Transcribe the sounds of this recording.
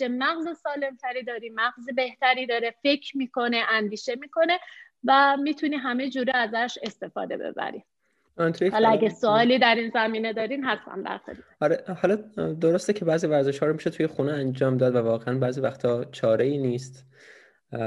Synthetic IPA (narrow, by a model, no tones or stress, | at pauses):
t͡ʃemæɣzesɒːle̞mt̪ʰæɾiːd̪ɒːɾiːmæɣzebe̞ht̪ʰæɾiːd̪ɒːɾefe̞cʰɾmiːkʰo̞ne̞ʔænd̪iːʃe̞miːkʰo̞ne̞ | væmiːt̪ʰuniːɦæme̞d͡ʒuːɾiæzæʃe̞st̪e̞fɒ̰ːd̪e̞̰bḛbæ̰ɾḭ | t̪ʰujehɒːlɒæɟæsoɒːliːd̪æɾiːnzæmiːne̞d̪ɒːɾiːmɦæst̪æ̰md̪æ̰ɾxed̪hɒɾehɒlɒd̪oɾost̪ecʰebæːzivæɾzeʃhɒːɾomiʃot̪ʰujexuneænd͡ʒɒːmd̪ɒːd̪vævɒːɣeʔænbæːziːvæxt̪ʰɒːt͡ʃʰɒːɾeiːniːst̪